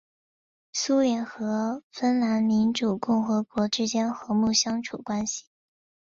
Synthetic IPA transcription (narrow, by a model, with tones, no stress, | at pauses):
su˥ljɛ˧˥nxɤ˧˥fə˥nla˧˥nmi˧˥nʈ͡ʂu˨˩kʊ˥˩ŋxɤ˧˥kwɔ˧˥ʈ͡ʂɻ̩˥t͡ɕjɛ˥nxɤ˧˥mu˥˩ɕjɑ˥ŋʈ͡ʂʰu˨˩kwa˥nɕi̥˨˩